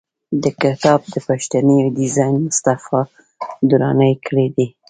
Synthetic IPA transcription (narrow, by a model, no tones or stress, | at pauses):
d̪əkɪt̪ɑb̚d̪əpaʃt̪anəjod̪ɪzɑjnmʊst̪afɑ | d̪uɾɑ̰nəjkʰəɽed̪i